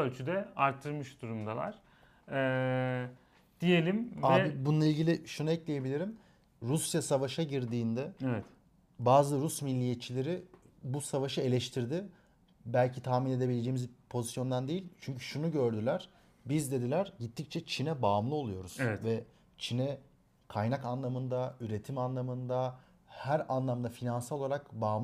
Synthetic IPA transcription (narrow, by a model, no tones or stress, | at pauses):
ølʲt͡ʃʰyd̪ɛaɾt̪ʰːɯɾmɯʃd̪̥uɾumd̪alˠa̰ɾ̥ | ɛ | d̪̥ije̞lʲimaːbibunˠailʲɟilʲɪʃunuɛclʲeje̞bilʲiɾim | ɾusjasavaʃaɟiɾd̪iːnd̪ɛevɛt̪ | baːzɯɾusmilʲːijet̪t͡ʃʰilʲeɾɪbusavaʃɯe̞lʲɛʃt̪ʰiɾd̪ɪ | bælʲcʰit̪ʰaːmine̞d̪e̞bilʲe̞d͡ʒejimizpʰo̞zisjo̞nd̪and̪ejilʲt͡ʃʰyɲcʰy̥ʃunuɟø̞ɾd̪ylʲæɾ̥ | bizd̪e̞d̪ilʲæɾɟit̪ʰːic̚t͡ʃʰɛt͡ʃʰinɛbaːmlˠɯo̞lˠujo̞ɾuz̥ɛɛt̪vɛ | t͡ʃʰinɛ | kʰajnakanlˠamɯnd̪ayɾe̞t̪ʰimanlˠamɯnd̪a | hæɾanlˠamd̪afinansalolaɾakbaːm